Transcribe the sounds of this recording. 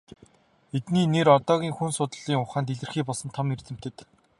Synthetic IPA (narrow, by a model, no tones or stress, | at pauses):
et̪niːneɾɔt̪ɔːɣʲiːŋxunsʊt̪ə̆ɮiːŋʊχaːnt̪̬eɮɘ̆rxiːpɔɮsɞ̆nt̪ʰɔmer̥t͡s̪ɘ̆m̥t̪ʰɘ̆t̪